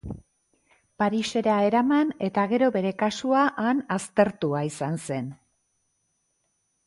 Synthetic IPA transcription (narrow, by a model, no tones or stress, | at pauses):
paɾise̞ɾae̞ɾamane̞t̪aɣe̞ɾo̞be̞ɾe̞kasuaʔanast̪e̞ɾt̪uaisanse̞n